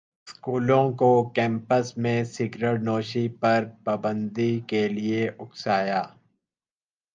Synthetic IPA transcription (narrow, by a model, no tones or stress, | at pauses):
skuːlõkokɛ̃ːmpəsmẽsɪɡɾəʈnoːʃipɐɾpaːbə̃nd̪ikelieʔʊksaːjaː